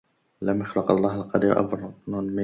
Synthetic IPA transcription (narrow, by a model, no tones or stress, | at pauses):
lamjʊxlɑqɑ̰lˤːɑːhalqɑd̪iːɾʔɑ̰bɾˤnunma